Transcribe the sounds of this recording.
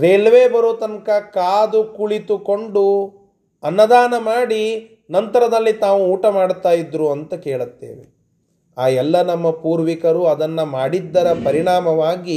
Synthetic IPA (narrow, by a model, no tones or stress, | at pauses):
ɾelɐʋeːbɐɾoːt̪ɐŋkɐkaːd̪ukuɭit̪uko̞ɳɖu | ɐnːɐd̪aːnɐmaːɽi | nɐnt̪ɐɾɐd̪ɐlːit̪aːʋuːʈɐmaːɽt̪aːjid̪ɾuɐnt̪ɐkeːɭɐt̪ːḛːʋḛ | aːjɛlːɐnɐmːɐpuːɾʋikɐɾuɐd̪ɐnːɐmaːɽid̪ːɐɾɐpɐɾiɳaːmɐʋaːɡi